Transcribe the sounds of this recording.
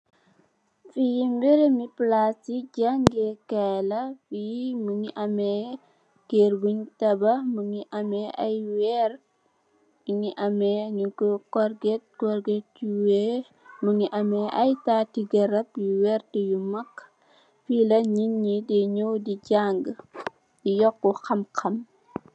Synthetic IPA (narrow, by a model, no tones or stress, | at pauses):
fijimbɛɾemiplasiɟaŋɡɛkɛlɐfimuŋiʔɐmɛ | keɾbuɲtɐbɐmuŋiʔɐmɛʔajwɛɾ | miŋiʔɐmɛɲukukɔɾɡet̚kɔɾɡetuwɛ | muŋiʔɐmɛʔɐjtatiɡɐɾɐp̚juwɛrtijumɐkː | filɐɲinɲidɛɲowdiɟaŋɡ | ijɔkːuxɐmxɐm